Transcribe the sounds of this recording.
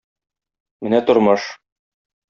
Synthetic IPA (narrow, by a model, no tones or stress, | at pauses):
mɘnæt̪ŏɾmɤʃ